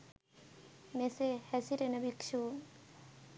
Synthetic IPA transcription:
mesehɛsiɾenabikʃʰun

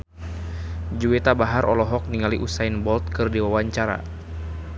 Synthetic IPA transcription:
d͡ʒuwet̪abaɦarʔɔlɔɦɔk̚niŋaliʔusainbɔlt̪̚kɨrdiwawaɲt͡ʃaɾa̰

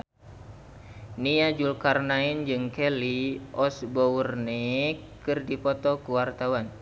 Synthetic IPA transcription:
niad͡ʒulkarnaind͡ʒɨŋkɛliɔsbɔurnekɨrdipɔt̪ɔkuwart̪awan

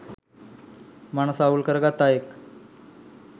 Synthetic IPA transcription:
maɳ̃saulkəɾɡat̪ajek

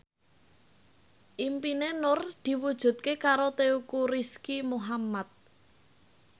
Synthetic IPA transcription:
ʔimpinenʊrd̪̥i̤wud̥ʒ̥ṳt̪̚kekaɾot̪eukuɾiskimuɦamat̪̚

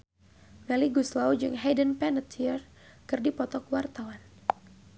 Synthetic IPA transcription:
mɛliɡuslawd͡ʒɨŋɦɛdənpɛnət̪ʰiər | kɨrdipɔt̪ɔkwart̪awan

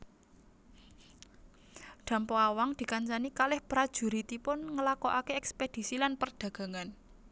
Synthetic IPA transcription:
ɖ̪̥ä̤mpɔawaŋd̪̥i̤kaɲt͡ʃanikalɪhpɾad̥ʒ̥ṳɾit̪ipʊnŋəlakoʔakeɛksped̪̥i̤silanpərɖ̪̥ä̤ɡ̥a̤ŋan

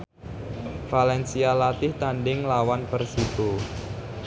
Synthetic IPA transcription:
falɛnsialat̪ɪht̪anɖɪŋlawanpərsit̪u

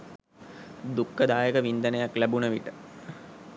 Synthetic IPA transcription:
d̪ukːəd̪aːjəkəʋind̪ənəjaklæbunəʋiʈə̥

